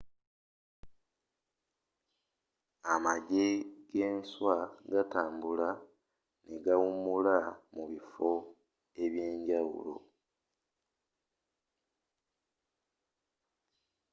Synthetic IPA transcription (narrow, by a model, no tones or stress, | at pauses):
amaɟeɡ̥eːnswaɡataːmbula | neɡawumulamuβifo̞ | e̞βjeːɲɟawṵlo̰